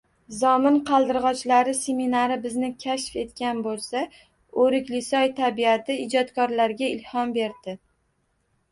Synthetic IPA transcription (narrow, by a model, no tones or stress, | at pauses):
zɒmɪnqʰɑlˠd̪ɪɾʁɒt͡ʃlaɾɪse̞minaɾɪbɪznɪkʲʰaʃfe̞t̪kʲanbolˠsa | oɾɪkʲlɪsɒjt̪ʰabiat̪ʰɪɪd͡ʒɒt̪kʰɒɾlaɾɡʲaɪlhɒnbe̞ɾd̪ɪ